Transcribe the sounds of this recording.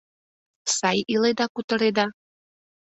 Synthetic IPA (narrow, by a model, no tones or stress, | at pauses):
sɑjiled̪ɑkut̪ɤ̆ɾed̪ɑ